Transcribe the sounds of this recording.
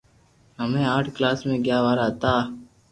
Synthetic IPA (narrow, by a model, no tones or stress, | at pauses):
ɦəmẽaːʈʰklaːsmẽɡjaːʋaːɾaːt̪aː